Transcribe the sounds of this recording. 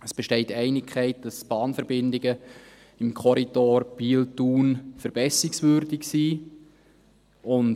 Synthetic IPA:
əsb̥ɛʃtɛɪtːɛɪnɪkʰχɛɪt̚d̥ɑsb̥ɑːnfəɾbɪndɪɡə | ɪmkʰɔɾidoːɾb̥iltuːnfəɾb̥ɛsɪksvʏːɾdɪksiː | ʊn

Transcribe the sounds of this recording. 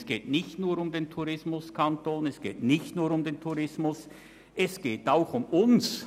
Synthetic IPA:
sɡ̥eːtnɪçtnuːɾʊmdeːntʰuɾɪsmʊskʰantoːnɛsɡ̥eːtnɪçtnuːɾʊmdeːntʰuʁɪsmʊs | ʔɛsɡ̥eːtaʊxʊmʊns

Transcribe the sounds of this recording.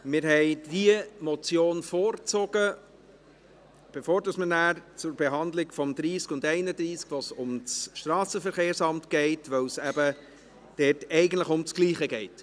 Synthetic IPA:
mɪːɾhɛɪdiəmɔt͡sjoːnfoːɾt͡sɔɡ̥ə | b̥efoːɾdɑsmənæːɾt͡sʊɾbɛɦɑnd̪lɪɡfɔmd̪ɾiːskʊndɛɪnəd̪ɾiːskʋosʊmt͡sʃtɾɑːsəfəɾχeːɾsɑmtɡ̥ɛɪtvʋœwsæbə | d̥ɛːtɛɪɡən̩tləχʊmt͡skliːχəɡɛɪt

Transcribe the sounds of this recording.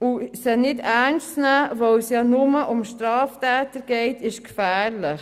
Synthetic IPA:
usənɪdæɾnst͡snæːvowsjɑːnʊməʔʊmʃtɾɑːftæːtəɾɡ̥ɛɪtɪʃkfæːɾlɪχ

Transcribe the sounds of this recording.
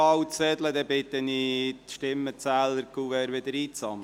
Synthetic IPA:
ɑwt͡sɛdləd̪ɛbɪt̪əniʃtɪmːət͡sæːləɾkuːʋɛɾʋɪd̪əɾiːt͡sɑm

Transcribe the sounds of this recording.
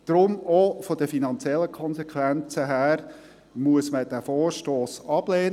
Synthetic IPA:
d̥ɾʊmofɔd̥̪əfinɑnt͡sjɛlːəkʰɔnsekʰʋænt͡səɦæːɾ | muəsməd̪̥æfoːɾʃtoːsɑb̥leːn

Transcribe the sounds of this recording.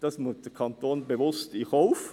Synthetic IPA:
d̥̪ɑsmut̪əkʰɑnt̪ʰoːnbəʋʊst̪ihɔʊf

